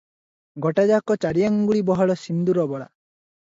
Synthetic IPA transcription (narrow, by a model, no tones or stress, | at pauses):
ɡɔʈad͡ʒakɔt͡ʃaɾijaŋɡuɭibɔɦɔɭɔsind̪uɾɔbɔɭa̰